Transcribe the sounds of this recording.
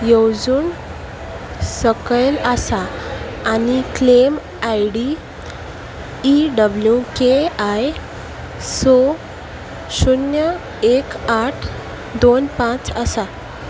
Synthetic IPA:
jewd͡zuːn | səkəjləsaː | niklem | ajɽi | ɖəbljukeaj | so | ɕunjə | ekaʈʰ | d̪onpãt͡səsa

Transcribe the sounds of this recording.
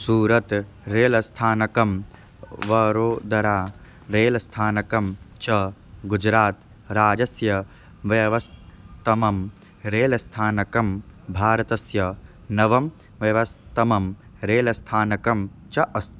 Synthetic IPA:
suːɾɐt̪ | ɾeːlɐst̪ʰaːnɐkɐm | ʋɐɾoːd̪ɐɾaː | ɾeːlɐst̪ʰaːnɐkɐmt͡ʃɐɡud͡ʒɾaːt̪ | ɾaːd͡ʒɐsjɐ | ʋjɐʋɐst̪ɐmɐm | ɾeːlɐst̪ʰaːnɐkɐmbʱaːɾɐt̪ɐsjɐ | nɐʋɐm | ʋjɐʋɐst̪ɐmɐmɾeːlɐst̪ʰaːnɐkɐm | t͡ʃɐʔɐst̪

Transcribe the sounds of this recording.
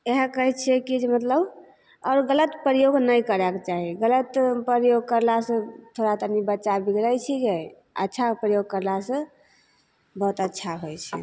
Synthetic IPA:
eɦə̃kəɦɛt͡ʃʰɛkid͡ʒemət̪ləb | ɔːɾɡələt̪pɾjoɡnəjkəɾɛket͡ʃaɦiɡələt̪pəɾjoɡ̚kəɾlasə̃t̪ʰoɾat̪ənibətːʃabiɡɾəjt͡ʃʰid͡ʒɛ | ə̰tːʃʰapɾəjoɡ̚kəɾlasə̃ | bəɦut̪ətːʃʰaɦojt͡ʃʰɛ̰

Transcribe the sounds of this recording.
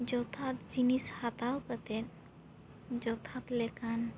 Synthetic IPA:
d͡ʒɔt̪ʰat̪d͡ʒinishat̪awkət̪ɛt̪̚ | d͡ʒɔt̪ʰat̪lɛkan

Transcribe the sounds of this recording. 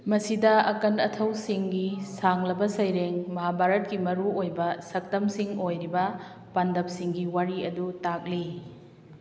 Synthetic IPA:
mɐsidɐɐkɐnɐtʰɐwsiŋɡisaŋlɐbɐsɐjɾeŋmɐɦabʱaɾɐt̚kimɐɾuojbɐsɐk̚tɐmsiŋojɾibɐ | pandɐp̚siŋɡiwaɾiɐdutak̚li

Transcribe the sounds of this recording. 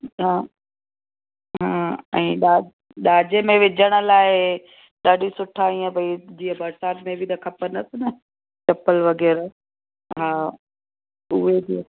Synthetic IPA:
ɦãː | ɦaːɛ̰̃ːɗaː | ɗaːd͡ʑemẽʋɪd͡ʑəɽ̃ə̆laːɪ | ɗaːɗisʊʈʰaːĩːə̃bɐid͡ʑiːɦəbɐɾsaːt̪mẽbʱɪt̪ɐkʰɐpənɐsnɐ | t͡ɕɐpəlʋɐɣɛːɾ | ɦaː | ʊɦedi

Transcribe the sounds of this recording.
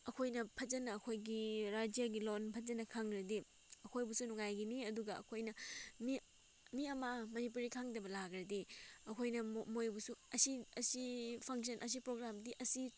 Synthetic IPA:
ɐkʰojnɐpʰɐd͡ʒɐnɐːkʰojɡiɾad͡ʒijaɡilonpʰɐd͡ʒɐnɐkʰaŋɾɐdi | ɐkʰojbusunuŋajɡiniɐduɡɐɐ̰kʰojnɐmi | miɐmɐmɐnip̬uɾikʰaŋdɐbɐlaɡɾɐdiɐkʰojnɐmojbusuɐsiɐsipʰɐŋs̬ɐnʔɐs̬ipɾoɡɾamdiʔɐsi

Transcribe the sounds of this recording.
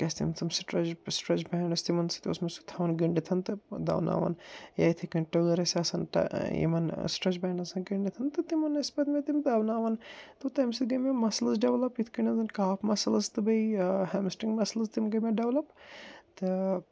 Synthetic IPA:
kɐsʲt̪ḭmt̪ɐmsʈɾɐt͡ʃsʈɾɐt͡ʃbɐɳɖɐsʲt̪imɐnsi̥t̪io̰smesut̪ʰaʋɐnɡiɳɖit̪ʰɐnt̪ɨd̪ɐ̰wna̰ːʋɐ̰nja̰ːjt̪ʰikinʈuɡɐɾɐsɐsɐnʈɐ̰jḭmɐnsʈɾɐt͡ʃbɐɳɐsɐnɡiɳɖit̪ʰɐnt̪ɨt̪imɐnɐspɐt̪mʲet̪imd̪d̪ɐwnaːʋɐnt̪ɨt̪ɐmsiɡɐmʲemɐslɐzɖeʋlɐpit̪ʰkinɐzɐnkaːpʰmɐsɐlɐzt̪ɨbɐjhɛmsʈiŋɡmɐslɐzt̪imɡɐmʲeɖeʋlɐpt̪ɨ

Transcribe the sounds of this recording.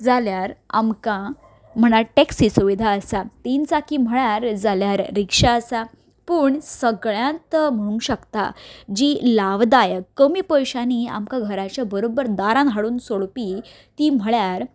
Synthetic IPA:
d͡zaljaɾa̰mkã | m̤əɽ̃aʈeksisuʋid̪ʱaəsat̪int͡sakim̤əɭjaɾd͡zaljaɾːikʂaəsa | pəːɳsəɡɭjãnt̪m̤əɽ̃ũŋɕəkt̪a̰d͡ʑilaʋd̪ajəkːəmiːpəjɕania̰mkaɡʱəɾat͡ɕjabəɾobəɾd̪aɾãnɦaɽuːnsoɭpi | t̪iːm̤əɭjaɾ

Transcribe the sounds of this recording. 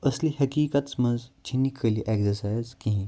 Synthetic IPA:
əslihɐkiːkat̪smənd͡zt͡ʃʰinːikʰːəliʔeksəɾsajzkĩɦĩ

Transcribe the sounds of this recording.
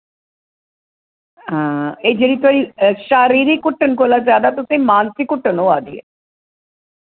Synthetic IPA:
ãed͡ʒeɾit̪aiʃaɾiɾikuʈːənkolazjaːd̪at̪ot̪emaːnsikuʈːənoaːd̪iḛ

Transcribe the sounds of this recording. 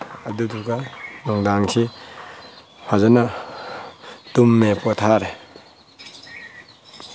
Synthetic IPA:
aduduɡanɔŋdaŋkʰi | hʰazɔna | tumːepɔtʰaɾe

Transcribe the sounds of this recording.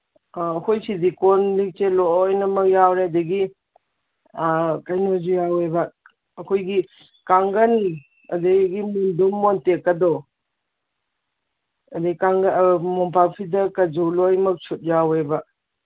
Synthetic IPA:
ɐkojsidikɔnlik̚teloɔjnɐmɐk̚jawɾeɐdɐɡi | kajnozujawebɐ | ɐkʰojɡi | kaŋɡɐnːi | ɐ̰dɐɡimundumːɔntekːɐdɔ | ɐdeikaŋɡmɔmpapʰidɐkɐd͡ʒolojmɐk̚sʰut̚jawebɐ

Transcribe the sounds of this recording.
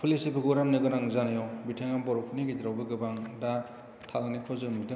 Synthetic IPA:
pʰulisipʰɯɡuɾamnɯɡɯnaŋzanɯjɔbitʰeŋambɔɾɔpʰɯniɡitiɾawbɯɡɯbaŋda | tʰalnikʰɔzɯmudɯ

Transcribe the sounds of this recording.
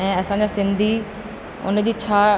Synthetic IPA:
ɛ̃ːəsãːd͡ʑaːsɪ̃nd̪ʱiː | ʊ̰nd͡ʑiːt͡ɕʰaː

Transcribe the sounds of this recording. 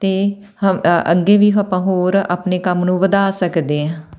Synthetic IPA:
t̪eː | həə̰ɡeːʋiːɦapãːɦoːɾa̰ːpneːkəmnũːʋəd̪aːsəkd̪eːɛ̃ː

